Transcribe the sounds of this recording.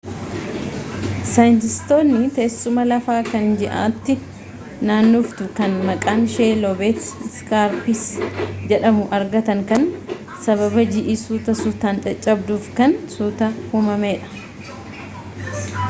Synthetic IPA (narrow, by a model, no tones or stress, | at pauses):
sɐjɪnt̪ɪst̪o̞ːnːɪt̪esːʊmɐlɐfaːkɐnd͡ʒɛʔa̰ːt̪ːɪ | naːnːuːft̪ʊkɐnmɐkʼaːnʃeːlɔbeːt̪skaːɾpisd͡ʒɛᶑɐmʊʔɐɾɡɐt̪ɐŋkɐn | sɐβɐbɐd͡ʒɪʔɪsuːt̪ɐsut̪aːnt͡ʃɐt͡ʃʼːɐbd̪uːfkɐnsuːt̪ɐhuːmɐmeːᶑɐ̥